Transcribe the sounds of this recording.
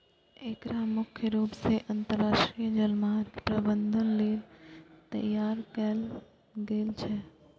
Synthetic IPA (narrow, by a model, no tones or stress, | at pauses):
ekɾamʊkʰjəɾuːpseʔə̃nt̪əɾːaːʃʈɾijəd͡ʒəlmaɾpɾəbənd̪ʱənleːlt̪ɐ̰jaːɾkəl | ɡeːlt͡ʃʰɛ